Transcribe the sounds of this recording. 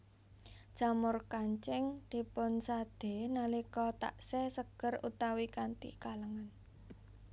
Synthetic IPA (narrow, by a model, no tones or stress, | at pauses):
d̥ʒ̥a̤mʊrkaɲt͡ʃɪŋd̪̥e̤pʊnsad̪̥e̤nalikɔt̪a̰ʔsɛsəɡ̥ərṵt̪awikant̪ḭkaləŋan